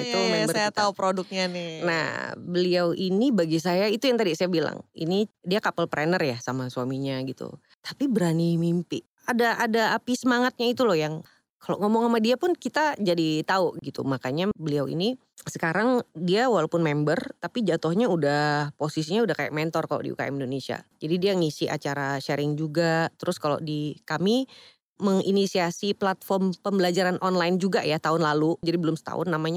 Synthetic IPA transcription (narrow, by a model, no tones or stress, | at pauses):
ɡit̪umɛbərsajat̪aupɾodʊk̚ɲanɪna̰hbəliawʔinibaɡis̬ajait̪ujaŋt̪adisajabila̰ŋḭnidiakapəlpɾɛnərjasamasuamiɲaɡit̪ṵ | t̪ḁpibəɾanimimpɪ | adaʔːdaːpisəmaŋat̪̚ɲait̪ulɔhjaŋ | kaloʔŋomɔŋamadiapʊnkit̪ad͡ʒadit̪auʔɡit̪ṵmakaɲabəliawḭni | səkaɾaŋdiawalawpʊnmɛmbərt̪apid͡ʒat̪ʊhɲaudahposis̬iɲaudahkaja̰ʔ̚mɛnt̪ɔrkalo̰ʔdḭṵka̰ɛ̰mindonesia̰d͡ʒadidiaŋisiʔa̰t͡ʃaɾaʃɛɾɪŋd͡ʒuɡat̪əɾʔʊskalo̰ʔdikami | məŋḭnisiasiplat̪fɔrmpəmbəlad͡ʒaɾanʔɔnlaɪnd͡ʒuɡajat̪aʊnlalud͡ʒadibəlʊmsə̥t̪a̰ʊ̰nːamaɲa